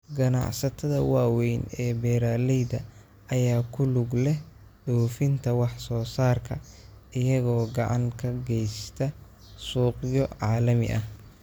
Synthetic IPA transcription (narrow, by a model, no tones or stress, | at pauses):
ɡɐnɑ̰ʕsɐt̪ʰɐðɐwɑːwɛjnɛːbɛːɾaːlɛjd̪ɐ | ɐjaːkʰʊlʊɡlɛh | ɖɔwfɪnt̪ʰɐwɑħsɔːsaːrkʰɐʔɪjɐɣɔːɡɑʕɑŋkʰɐɡɛjst̪ʰɐ | suːqjɔʕɑːlɐmɪ̰ʔɐh